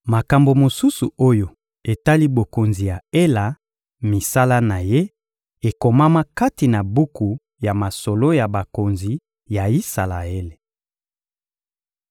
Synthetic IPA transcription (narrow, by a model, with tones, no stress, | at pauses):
ma˨ka˨mbo˨mo˨su˦su˨o˦jo˨ | e˨ta˦li˦bo˨ko˨nzi˨ja˨e˦la˨ | mi˨sa˦la˦na˨je˦ | e˨ko˨ma˦ma˦ka˦ti˨na˨bu˦ku˨ | ja˨ma˨so˨lo˦ja˨ba˨ko˨nzi˨ | ja˨i˦sa˨la̰˨e˦le˨